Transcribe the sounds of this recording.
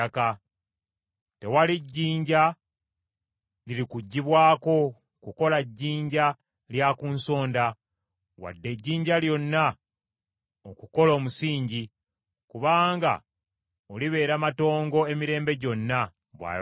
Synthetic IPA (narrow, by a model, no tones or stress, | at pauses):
ka | te̞waliɟːiːɲɟa | liɾikuɟːiβwaːko̞ | kuko̞laɟːiːɲɟa | ljakuːnso̞ːnda | wa̰dːe̞ɟːiːɲɟaljo̞nːa | okuko̞lo̞ːmusiːɲɟi | kuβaːŋɡa̰ | oliβe̞ːɾamato̞ːŋɡo̞e̞miɾe̞ːmbe̞ɟo̞nːa | βwa̰